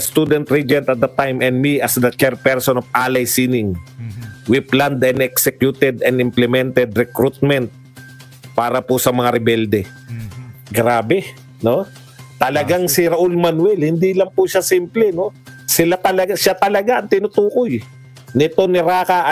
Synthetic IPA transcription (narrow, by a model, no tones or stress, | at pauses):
st̪ud̪ɛnt̪ɾid͡ʒɛnt̪ɐt̪̚d̪ɐt̪ajmʔɛnd̪miɐsd̪ɐt͡ʃɛɾpɛɾsonofʔaːlɐjsinɪŋ | wɪpland̪ɛnɛksɛkjut̪ɛd̪ɛnɪmplɛmɛnt̪ɛd̪ɾɛkɾut̪̚mɛnt̪̚ | paːɾɐpʊsɐmɐŋaɾɪbɛld̪ɛ | ɡɾaːbɛ | no̞ | t̪ɐlɐɡaŋsɪɾɐʔʊlmanwɛlhɪnd̪ilɐŋpʊʃasimplɛno̞sɪlat̪ɐlɐɡaʃat̪ɐlɐɡaʔɐŋt̪ɪnʊt̪uːkoj | nɪt̪onɪɾaːkaʔ